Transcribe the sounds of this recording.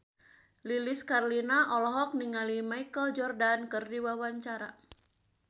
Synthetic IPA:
liliskarlinaʔɔlɔɦɔk̚niŋalimajkəld͡ʒɔrdankɨrdiwawaɲt͡ʃaɾa

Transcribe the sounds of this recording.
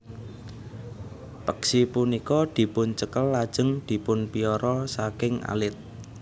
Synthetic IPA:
pəksipunikɔd̪̥i̤pʊnt͡ʃəkəlːad̥ʒ̥ə̤ŋd̪̥i̤pʊnpiɔɾɔsakɪŋʔa̰lɪt̪̚

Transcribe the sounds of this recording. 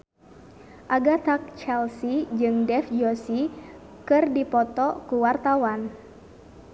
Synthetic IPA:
ʔaɡat̪ak̚t͡ʃɛlsid͡ʒɨŋdɛfd͡ʒɔsi | kɨrdipɔt̪ɔkuwart̪awan

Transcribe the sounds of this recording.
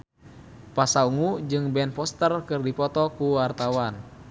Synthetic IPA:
pasauŋud͡ʒɨŋbɛnpɔst̪ərkɨrdipɔt̪ɔkuwart̪awan

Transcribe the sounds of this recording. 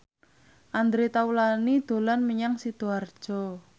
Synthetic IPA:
ʔand̪ɾet̪aulanid̪̥o̤lanməɲaŋsid̪̥o̤ard̥ʒ̥ɔ̤

